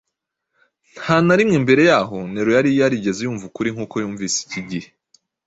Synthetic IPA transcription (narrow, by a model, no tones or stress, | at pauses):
n̥hanaɾimŋeːmbe̞ɾe̞jaːɦo̞neɾojaɾijjaɾiɟe̞zejuːɱvukuɾiŋ̥uːko̞juːɱviːsi̥ciɟihe